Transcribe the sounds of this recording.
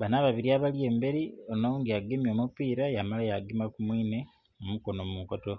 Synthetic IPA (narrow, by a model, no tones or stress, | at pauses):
βanaβaβiɾiaβalje̞ːmbe̞ɾionouŋɡiaɡemjo̞ːmupiːɾajamalajaɡimakumwiːne̞ | omuko̞nomumukoto̞